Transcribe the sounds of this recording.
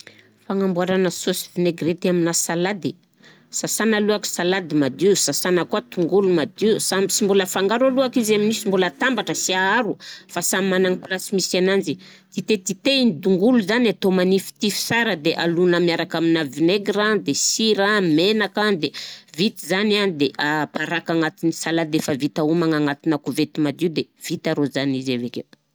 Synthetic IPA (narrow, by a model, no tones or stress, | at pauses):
faŋambuaɾanəsosivineɡret̪aminasalad̪i | sasanaluaki̥salad̪imad̪iusasanəkuat̪uŋɡulumad̪iusambisimbuləfaŋɡaɾaluakizaminisimbulət̪ambaʈ͡ʂəsiaaɾufasammanaŋipulasimisanand͡ʒi | t̪it̪et̪it̪einid̪uŋɡuluzanat̪omanifi̥t̪ifi̥saɾəd̪eʔalunəmiaɾakaminavineɡɾad̪esiɾamenakad̪evit̪izananid̪eʔapaɾakaŋat̪inisalad̪efəvit̪aumaŋaŋat̪inakuvet̪imad̪iud̪ev̥it̪aɾozanizavekḛt̪